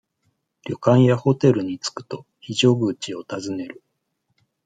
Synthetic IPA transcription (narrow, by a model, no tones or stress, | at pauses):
ɾʲjo̞kãɰ̃jaho̞t̪e̞ɾɯ̟ɲ̟it͡sɨ̥kɯ̟̥t̪o̞ | çiʑoɡɯ̟ːt͡ɕio̞t̪azɨne̞ɾɯ̟